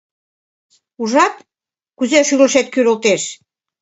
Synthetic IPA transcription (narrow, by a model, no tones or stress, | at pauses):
uʒɑt̪̚ | kuzeʃyɣləʃet̪̚kyɾolt̪eʃ